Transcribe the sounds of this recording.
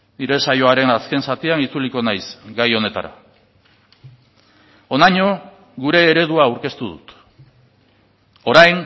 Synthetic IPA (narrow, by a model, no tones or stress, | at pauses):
niɾe̞sajo̞aɾe̞naske̞nsat̪ianit͡suliko̞najsɡajo̞ne̞t̪a̰ɾa̰ | o̞naɲo̞ | ɡuɾe̞ːɾe̞ð̞uaːwɾke̞st̪uðṵt̪ | o̞ɾajŋ